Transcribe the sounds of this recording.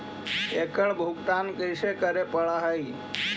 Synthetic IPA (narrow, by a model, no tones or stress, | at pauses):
ekəɭbʱuɡt̪ankəjʃekəɾepəɭaɦəi